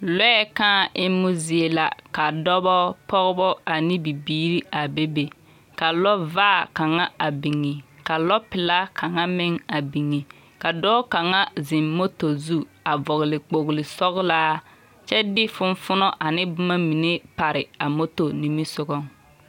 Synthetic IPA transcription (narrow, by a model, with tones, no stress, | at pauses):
lɔ˦ɛ˦kãː˦˨ʔɪ˦mːʊ˦zi˨e˨la˨ka˨dɔ˦bɔ˦pɔ˦ɣbɔ˦a˨nɪ˦bi˨biː˦ɾi˦a˨be˦be˨ | ka˨lɔ˦vaː˦˨ka˨ŋa˦a˨bi˨ŋːi˨ka˨lɔ˦pɪ˨la˦kʰa˨ŋa˦mɪ˦ŋa˨bi˨ŋːi˨ | ka˨dɔː˦ka˨ŋa˦zɪ˨mːo˦to˨zu˦ | a˨vɔ˨ɣɪ˨lɪ˨k͡po˨ɣlɪ˨sɔ˦ɣlaː˦ | t͡ʃɛ˦dɪ˦fʊ˦nfʊ˦nɔ˦ʔa˨nɪ˦bʊ˦ma˦mi˨ne˦pa˨ɾɪ˨a˨mo˦to˨ni˨mi˦sʊ˦ɣɔ˦ŋ